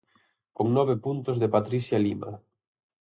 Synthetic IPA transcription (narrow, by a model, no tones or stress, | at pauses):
koŋnɔβepunt̪ʊzðepat̪ɾisjalima̰